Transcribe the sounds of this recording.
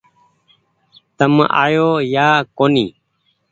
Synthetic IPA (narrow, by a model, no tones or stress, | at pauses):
t̪əma̰ːjoːjaːkoːniː